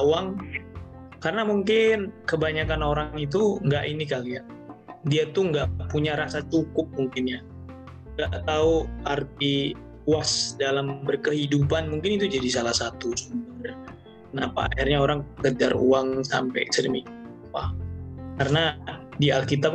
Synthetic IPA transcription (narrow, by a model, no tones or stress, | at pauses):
auaŋ | karnamuŋkɪnkəbaɲakanoɾaŋit̪̬uŋɡaʔinikalia | diat̪uŋɡaʔʔpuɲaɾasat͡ʃukʊp̚muŋkɪnɲa | ŋɡaʔt̪auart̪̚i | uasdalambərkəɦidupanmuŋkɪnit̪ud͡ʒadisalahsat̪usumbər | kənapa̰a̰hirɲaoɾaŋkəd͡ʒarṵaŋsa̰mpɛ̰ɛ̰ksɾḭmḭapa̰karnadialkit̪ap̚